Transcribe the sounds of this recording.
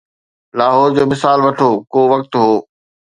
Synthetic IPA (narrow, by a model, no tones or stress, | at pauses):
laːɦɔːɾd͡ʑoːmɪsaːlʋɐʈʰoːkoːʋɐk̚t̪ɦoː